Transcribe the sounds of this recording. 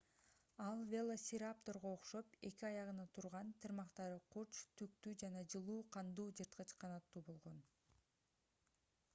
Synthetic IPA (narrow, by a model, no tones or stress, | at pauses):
ɑlˠvʲelˠosʲɪɾap̚t̪o̞ɾʁo̞ːqʃo̞pe̞kiɑjɑʁɯnɑt̪ʰuɾʁɑnt̪ʰɯɾmɑqt̪ɑɾɯqʰuɾt͡ʃt̪ʰyk̚t̪yd͡ʒɑnɑd͡ʒɯlˠuːqʰɑnd̪uːd͡ʒɯɾt̪qɯt͡ʃqʰɑnɑt̪ːuːbo̞lˠʁo̞n